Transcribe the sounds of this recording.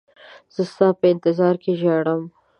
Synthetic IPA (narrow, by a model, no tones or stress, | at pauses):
z̥əst̪ɑːpəɪnt̪ɪzɑɾkeʒaɽəm